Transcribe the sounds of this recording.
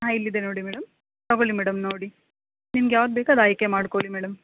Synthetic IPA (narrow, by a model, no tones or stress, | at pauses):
ɦaːilːid̪enoːɽimeːɽɐm | ɐɡoɭimeːɽɐmnoːɽi | nimɐɡjaːʋɐd̪̚beːkɐd̪aːjkːemaːɽkoːɭimeːɽɐm